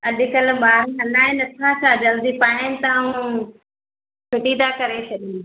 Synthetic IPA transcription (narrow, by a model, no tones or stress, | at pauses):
ɐɗɪkəlbaːɾɐnaːẽnɐt̪ʰãsad͡ʑɐld̪ipaːɦɪnɪt̪ɐũ | pʰɪʈid̪aːkɐɾet͡ʃʰɐɗĩː